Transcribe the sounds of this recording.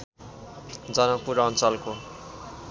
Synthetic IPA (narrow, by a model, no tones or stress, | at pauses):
d͡zʌnʌk̚puɾʌnt͡sʌlko